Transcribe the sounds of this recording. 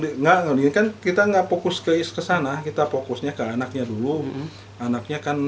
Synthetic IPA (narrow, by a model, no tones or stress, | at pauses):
iŋaʔŋadiɪnkankit̪aŋɡaʔpokʊskəiskəsanakit̪apokʊsɲakəanak̚ɲadulu | anak̚ɲakan